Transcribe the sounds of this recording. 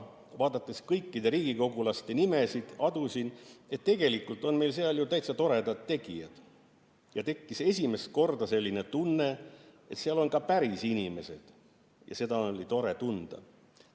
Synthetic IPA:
vɑːd̪̥ɑt̪ːˑeskɤjkːid̪e̞ɾiːɡ̥iko̞ɡulɑst̪e̞nime̞sid̪̥ɑd̪usine̞t̪ːe̞ɡe̞likːˑult̪ːˑo̞nme̞jls̬eɑljut̪æjt̪sɑt̪o̞ɾe̞d̪ɑt̪ːe̞ɡijɑd̪̥ | jɑt̪e̞kˑːise̞sʲime̞st̪̚ko̞rd̪ɑse̞lʲːine̞t̪unːe̞ | e̞t̪seɑlo̞nkɑpæɾisinʲime̞se̞d̪̥ | jʔɑ̰se̞d̪ɑolʲit̪o̞ɾe̞t̪und̪̥ɑ̰

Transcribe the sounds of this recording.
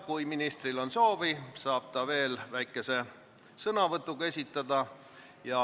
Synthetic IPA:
kujminist̪rilo̞nso̞ːvisɑːb̥̚t̪ɑve̞ːlvæjkːˑe̞se̞ | sɤnɑvɤt̪ːˑuɡ̥ɑe̞sʲit̪ːˑɑd̪̥ɑ | jɑ

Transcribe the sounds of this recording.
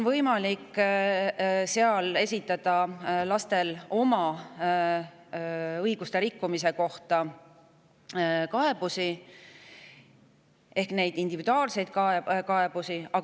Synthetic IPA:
onvɤjmɑlikː | se̞ɑle̞sʲit̪ːˑɑd̪̥ɑlɑst̪e̞lo̞mɑ | ɤjɡ̥ust̪e̞ɾikːumise̞ko̞ht̪ɑ | kɑe̞b̥usi | e̞hkne̞jd̪ind̪̥ivid̪uɑːlse̞jd̪̥̚kɑekɑeb̥usiɑ

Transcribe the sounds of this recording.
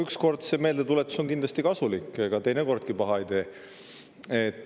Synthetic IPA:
yksko̞rd̪̥se̞me̞ːld̪e̞t̪ule̞t̪ːˑu̥so̞ŋkind̪lɑst̪ikɑsulikːˑkɑt̪e̞jneko̞rd̪̥̚kipɑɦɑejt̪e̞ː | et̪ːˑ

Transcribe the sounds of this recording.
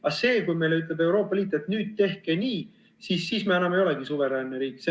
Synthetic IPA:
ɑse̞ːkujme̞jleyt̪̬ˑle̞be̞wɾo̞ːpːˑɑliːt̪ːˑe̞t̪nyːd̪̥̚t̪e̞hkeniː | sisːiːsme̞ænːɑmejo̞leɡ̥isuveɾænːeɾiːkse

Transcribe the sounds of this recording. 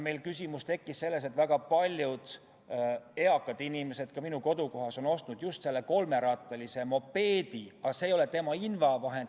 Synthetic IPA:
me̞jlkysʲimust̪e̞kːisse̞lːe̞s̬et̪ːˑvæɡ̥ɑpɑlʲjud̪̥ | e̞ɑkːˑɑd̪̥inimese̞d̪̥kɑminuko̞d̪̥uko̞ɦɑso̞no̞st̪nud̪̥just̪se̞lːe̞ko̞lme̞ɾɑt̪ːˑɑlise̞mo̞pːe̞ːd̪̥iɑse̞ːjo̞le̞t̪e̞mɑinvɑvɑɦe̞nd̪

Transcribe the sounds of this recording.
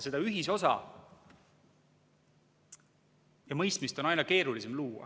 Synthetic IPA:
se̞d̪ɑyɦiso̞sɑ̰ | jɑmɤjst̪mist̪o̞nɑjnɑke̞ːɾulisemluːɑ̰

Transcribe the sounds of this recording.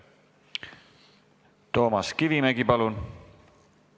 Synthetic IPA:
t̪o̞ːmɑskivimæɡipɑlun

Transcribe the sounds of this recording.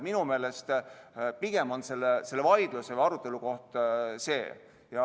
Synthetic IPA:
minume̞ːle̞st̪piɡ̥e̞monse̞lːese̞lːevɑjd̪̥lusevɑɾut̪ˑːe̞luko̞ht̪se̞̰ː | jɑ

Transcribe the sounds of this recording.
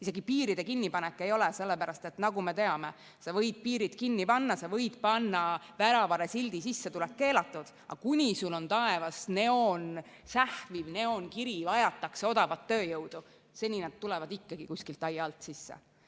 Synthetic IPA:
ise̞ɡ̥ipiːɾid̪̥e̞kinːipɑnɛkːˑe̞jo̞lɛse̞lːepæɾɑst̪e̞t̪nɑɡ̥ume̞t̪e̞ɑme̞ | sɑvɤ̞jd̪̥̚piːɾit̪kinːipɑnːɑsɑvɤjd̪̥pɑnːɑvæɾɑvɑɾesild̪̥isisːet̪ulɛkkːe̞ːlɑt̪ːˑud̪̥ɑ̰kunʲisulo̞nt̪ɑe̞vɑsne̞on | sæhvivne̞o̞nkiɾiɑjɑt̪ːˑɑkseo̞d̪̥ɑvɑt̪ːø̞ːjɤwd̪̥u | se̞nʲinɑd̪̚t̪ːulɛvɑd̪ikːɑɡ̥ikusʲkilt̪ˑːɑjɑlt̪sisːḛ

